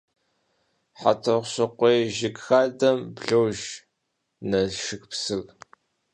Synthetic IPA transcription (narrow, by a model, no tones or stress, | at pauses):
ħa̰tʰɐʁʷɕɐqʷeːjʒɪkxaːdɐmbɮowʒ | nɐʃɨxpsɨɣ